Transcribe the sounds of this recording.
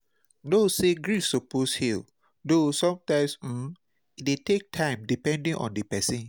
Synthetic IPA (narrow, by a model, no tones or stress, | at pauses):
noseɡɹisoposhil | dosɔ̃mtãɪ̃msm̩ | it̚detek̚tʰãɪ̃mdipɛ̃ndĩŋʔɔ̰̃ndipɛsĩn